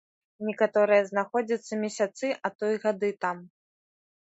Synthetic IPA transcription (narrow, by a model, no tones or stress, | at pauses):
nʲɛkat̪ɔɾɨjɛznaxɔd͡zʲɐt̪sːɐmʲɛsʲat̪sɨʔɐt̪ɔjɣad̪ɨt̪am